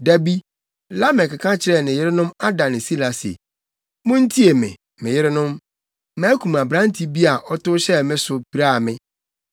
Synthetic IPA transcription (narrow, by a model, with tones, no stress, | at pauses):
da˦bi˦ | la˦mɪ̃˨ka˨kʰã˦t͡ɕʰɪ˨ɾɛ˦˨nɪ̃˨jɪ˦ɾɪ˦nʊ̃˦ma˦da˨nɪ̃˨si˦la˨sḛ˨ | mʊ̃˦n̩˦tʰi˦e˨mɪ̰̃˨ | mɪ̃˨jɪ˦ɾɪ˦nʊ̃˦m | mã˦kʰũ˨ma˨bɾã˦n˦tʰi˦bi˦a˨ʔɔ˦tʊ˦ɕɛ˦mɪ̃˦sʊ˨pi˨ɾa˦˨mɪ̃˦